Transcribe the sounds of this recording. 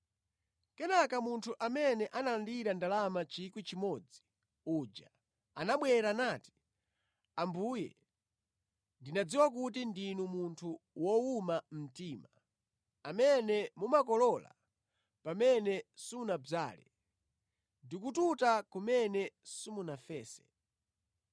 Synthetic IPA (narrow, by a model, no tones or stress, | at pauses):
kɛnakamuntʰuʔamɛnɛʔanalandiɾandalamat͡ʃikwit͡ʃimɔd͡zi̥ | ud͡ʒa | a̰naɓwɛɾanaːti̥ | ambujɛ̰ | ndinad͡ziwakut̬indinumuntʰuwɔumam̩tiːma | amɛnɛmumakɔlɔla̰ | pamɛnɛsumunab͡ʐa̰ːlɛ̰ | ndikututakumɛnɛsimunafɛːsɛ̥